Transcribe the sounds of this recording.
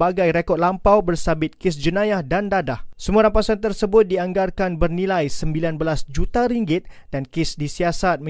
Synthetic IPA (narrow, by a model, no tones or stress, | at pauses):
baɡajɾekɔt̪̚lampawbərsabɪt̪̚kɪsd͡ʒənãjahdandadahsəmũaɾampasant̪ərsəbʊt̪̚diaŋɡarkanbərnilajsəmbilanbəlasd͡ʒut̪aɾiŋɡɪt̪̚ | d̥ankɪsdisiasat̪̚m